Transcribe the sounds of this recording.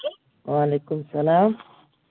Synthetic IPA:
waːlekumsɐlaːm

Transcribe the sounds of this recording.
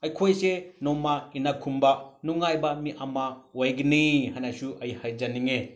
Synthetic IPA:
ɐjkʰojsenɔmainakʰumbɐnuŋajbɐmiʔamawajɡinihanasuʔɐihajd͡ʒaniŋe

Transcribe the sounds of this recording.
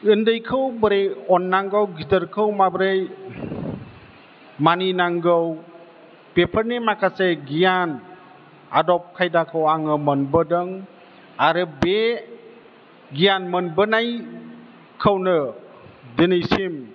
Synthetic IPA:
ɯndɯjkʰɯwbəɾejɔnːaŋɡɯwɡidəɾkʰɯwmabɾɯj | maninaŋɡɯw | pepʰəɾnimakʰaseɡijan | a̰dɔp̚kʰajdakʰɯwaŋɯmənbɯdɯŋ | aɾɯbe | ɡijanmɯnbɯnaj | kʰəwnɯ | dɯnɯjsim

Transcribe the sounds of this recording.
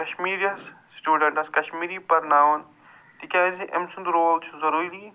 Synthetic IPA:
kɐʃmiːɾijɐssʈjuːɖɐɳʈɐskɐʃmiːɾipɐɾnaːʋɐn | t̪ikʲaːziʔemsund̪ɾoːlt͡ʃʰuzɐɾuːili

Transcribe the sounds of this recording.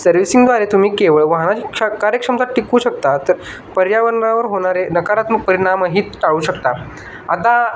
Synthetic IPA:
səɾʋisiŋɡd̪ʋaɾet̪um̤iːkeʋəɭʋaɦnat͡ɕiakaɾjəkʂəmt̪aʈːikuːɕək̚t̪at̪əɾ | pəɾjaʋənɾaʋəɾɦoɽ̃aɾenəkaɾat̪məɡ̚pəɾiɽ̃amaɦiːt̪ʈaʋuːɕəkt̪a | at̪a

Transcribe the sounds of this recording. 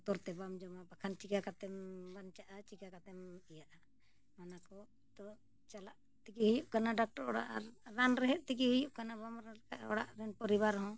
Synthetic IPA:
t̪ɔɾt̪ɛbamd͡ʒɔmabakʰant͡ʃikakat̪ɛmbant͡ʃaʔat͡ʃikakat̪ɛmijaʔa | manakɔ | t̪ɔ | t͡ʃalaʔ | t̪ɛkihijuʔkanaɖak̚ʈɔɾɔɽa̰ʔaɾːanɾɛɦɛʔ̪̚ˀt̪ɛkihijuʔkanabamɾakaʔɔ̰ɽa̰ʔɾɛnpɔɾibaɾɦɔ̃

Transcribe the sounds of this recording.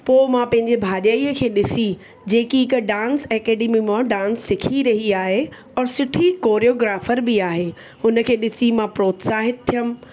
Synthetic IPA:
poːmãpɐ̃ɦɪ̃ɲd͡ʑebʱaːɗəiːəkʰeːɗɪsi | d͡ʑeːkiɪkɖãːnsɛːkɛːɖeːmimãɖãːnsːɪkʰiɾɐɦiaːɦe | ɔːɾsɪʈʰikoːɾijoːɡɾaːfəɾbɪaːɦeː | ʊnə̆kʰeːɗɪsimãpɾoːt̪saːɦɪt̪̚t̪ʰijəm̆

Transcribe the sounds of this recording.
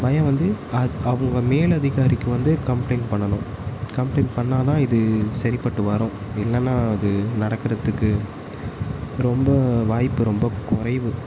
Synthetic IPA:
bɐjɐ̃ʋɐnd̪ɯɐɐʋɯŋɡɐmeːlɐðɪɣaːɾɪkːɯʋɐnd̪ɯkɐmplɐɪnpɐɳːɐnʊ̃kɐmplɐɪnpɐɳːaːt̪ãːɪðɯsɐɾɪpɐʈːɯʋɐɾõː | ɪlːɐnːaːɐðɯnɐɽɐkːɯɾɐt̪ːɯkːɯ | ɾɔmbɐʋaːjpːɯɾɔmbɐkʊrɐɪʋɯ

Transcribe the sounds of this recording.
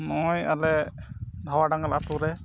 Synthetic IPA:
nɔja̰lɛd̪ʱawaɖaŋalat̪uɾɛ

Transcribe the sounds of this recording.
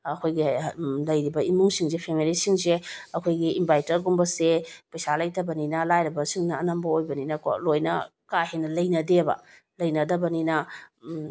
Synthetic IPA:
ɐkʰojɡilɐjɾibɐimuŋsiŋzepʰemilisiŋzeɐkʰojɡiimbajtɐɾɡumbɐsepɐjsalɐjtɐbɐninɐlajɾɐbɐsiŋnɐːnɐmbɐojbɐninɐko̰lojnɐ̰ | kahenɐlɐjnɐdebɐ̰ | lɐjnɐdɐbɐninɐ

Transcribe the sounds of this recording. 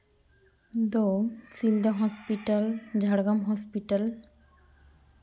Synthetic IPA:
d̪osild̪aɦɔspiʈald͡ʑʱaɽɡamɦɔspiʈal

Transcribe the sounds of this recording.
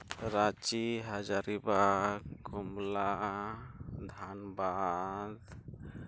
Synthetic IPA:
ɾat͡ʃiɦad͡ʒaɾibakumla | d̪ʱanbad̪

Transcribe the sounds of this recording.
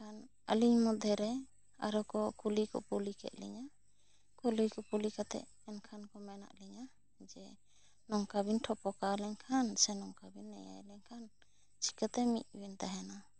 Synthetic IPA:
kʰan | ə̰liɲmɔd̪ʱɛɾɛ | a̰ɾɔkɔkulikɔ̰pulikɛ̰ʔ̪̚lḭɲa | kulikɔpulikat̪ɛ̰ʔ | ɛnkʰankɔmɛna̰ʔliɲa | d͡ʒɛ | nɔŋkabinʈʰɔpɔkalɛɲkʰansɛnɔŋkabinːɛ̰ja̰jlɛɲkʰan | t͡ʃi̥kat̪ɛmḭʔ̪̚ˀwint̪aɦɛna

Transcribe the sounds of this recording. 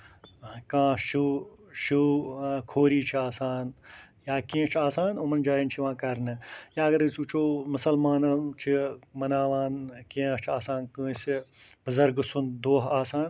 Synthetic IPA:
kãːʃuʃukʰoːɾiːt͡ʃʰiaːsaːn | jaːkĩːt͡ʃʰaːsaːnumɐnd͡ʒaːjint͡ʃʰiʋãːkɐɾnɨjaːɐɡɐɾɨsut͡ʃʰoːmʊsɐlmaːnɐt͡ʃʰimɐnaːʋaːnkĩːt͡ʃʰaːsaːnkɨsibɐzɐɾɡsund̪oːɦaːsaːn

